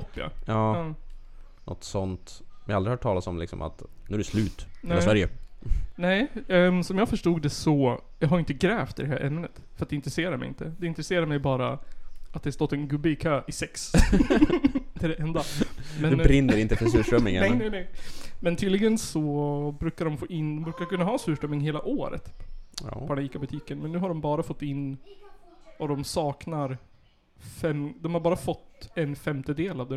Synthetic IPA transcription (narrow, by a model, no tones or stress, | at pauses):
ɔpːɪa̰jɑː | nʔɔ̰t̪sɔnt̪ɛjɑalɾɪhɑʈʰɑːlatsɔmlɪ̰ksɔ̰ma̰t̪nʉːæɾɛslʉːt̪nɛlːsvæɾjənɛɪsɔmjɑːfœʂʈuːɡd̪ɛsɔ | jɑɡɦaɾjʏɪnt̪əɡɾɛːft̪ɪd̪ɛɦæ̰ːɾʔɛmːənət̪fœɾat̪̚d̪ɛɪnt̪ɾɛseːɾaɾmɛ̰jɪ̰nt̪əd̪ɛɪnt̪ɾɛseːɾaɾmɛjbɑːɾaat̪̚d̪ɛhast̪ɔt̪ːɛnɡɵbɪkʰøːʔɪsɛks | d̪ɛæɖɛʔɛnd̪amɛnɾɪnːəɾɪnt̪əfœsʉːʂœmːɪ̰nŋ̰ɛnɛnɛɪmɛnt̪ʰyːd̪lɪɡənsɔbɾʉ̟ːkaɾɖɔmfoːʔɪnːd̪ɔmbɾʉːkaɾkɵnːaɦɑːsʉːʂʈœmːɪŋɦeːlaʔoːɾə̰t̪ | pʰdɛniːkabɵt̪ʰiːkənmɛnːʉ̟ːɦaɖɔmbɑːɾafɔt̪ːɪnː | ad̪ɔmsɑːknaɾ | fɛmd̪ɔmhaɾbɑːɾafɔt̪ːɛnfɛmt̪əd̪eːlavd̪ɛ